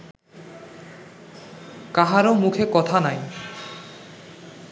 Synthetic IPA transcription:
kaɦaɾomukʰekɔt̪ʰanaj

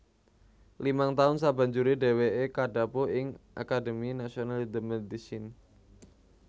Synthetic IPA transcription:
limaŋt̪aʊnsaba̤ɲd͡ʒuɾede̤weekadapoɪŋʔa̰kadəminasionald̪əmɛd̪isin

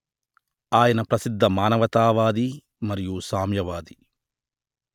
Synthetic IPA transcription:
aːjɐnɐpɾɐsid̪ʱːɐmaːnɐʋɐt̪aːʋaːd̪i | mɐɾijusaːmjɐʋaːd̪i

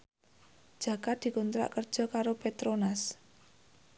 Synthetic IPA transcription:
d̥ʒ̥ä̤kat̪̚d̪̥i̤kunt̪ɾa̰ʔkər̥d͡ʒ̥ɔ̤kaɾopet̪ɾonas

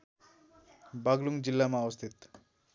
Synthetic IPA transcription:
baɡluŋd͡ʒilːamawəst̪ʰit̪

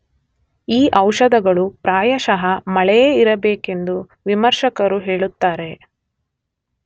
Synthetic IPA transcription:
iːʔɐwʃɐd̪ɐɡɐɭupɾaːjɐʃɐɦɐmɐɭɛjeːiɾɐbeːke̞nd̪u | ʋimɐɾʃɐkɐɾuɦeːɭut̪ːaːɾe̞

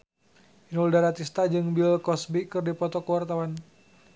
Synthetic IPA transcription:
inuldaɾat̪ist̪ad͡ʒɨŋbilkɔsbikɨrdipɔt̪ɔkəwart̪awan

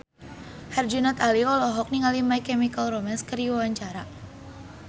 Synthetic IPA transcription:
hɛrd͡ʒunat̪aliɔlɔɦɔk̚niŋalimaikɛmikalromanskəriwawaɲt͡ʃaɾa

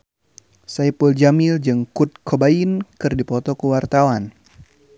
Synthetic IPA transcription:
sajpuld͡ʒamild͡ʒɨŋkut̪̚kʰobainkɨrdipɔt̪ɔkuwart̪awan

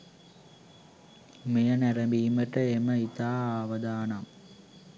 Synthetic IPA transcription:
mejɐnɐɾɐmbiːmɐʈːɐemɐit̪aːaːʋɐd̪aːnɐm

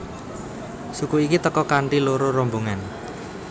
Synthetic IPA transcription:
sukuikit̪əkɔkaɳʈiloɾoɾɔmboŋan

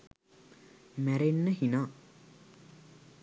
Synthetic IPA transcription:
mæɾenːəhinaː

